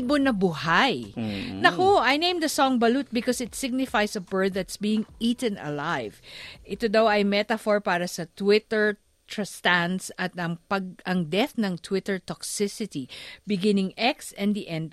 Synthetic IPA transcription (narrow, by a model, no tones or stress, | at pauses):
bonɐbuhajnɐkoʔɐjnẽj̃md̪ɐsɔŋbɐlut̪̚bɪkosɪt̪sɪɡ̚nɪfajsɐbɛ˞d̪ðɐt̪sbiːɪ̃ŋiːt̪ɛ̃nɐ̰lajv̥ʔɪt̪od̪ɐwɐjmɛt̪ɐfoɹpaːɾɐsɐt̪wɪt̪ɛɹ | t̪ɹɐst̪ansɐt̪ɐŋpɐɡ̚ʔɐŋd̪ɛθnɐŋt̪ʰwɪt̪ɛɹt̪ɔksɪsɪt̪ibɪɡɪnɪŋʔɛksɛ̃nd̪iʔɛ̃nd̪̚